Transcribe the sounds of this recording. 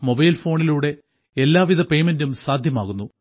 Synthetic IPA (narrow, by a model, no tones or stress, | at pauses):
mo̞bɐjlfo̞ːɳiluːɽe̞ | elːaːʋiðʱɐpe̞jmendumsaːd̪ʱjɐmaːɣunːu